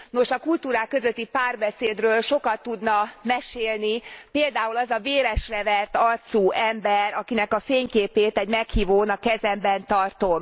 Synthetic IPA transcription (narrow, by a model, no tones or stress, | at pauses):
no̞ʃɒkult̪uːɾaːkːø̞zøt̪ːipaːrbɛseːd̪røːlʃo̞kɒt̪ːud̪nɒmɛʃeːlnipeːld̪aːulɒzɒveːɾɛʃrɛvɛrt̪ɒrt̪suːʔɛmbɛrɒkinɛkɒfeːɲkeːpeːt̪ɛɟmɛkhiːvoːnɒkɛzɛmbɛnt̪ɒrt̪o̞m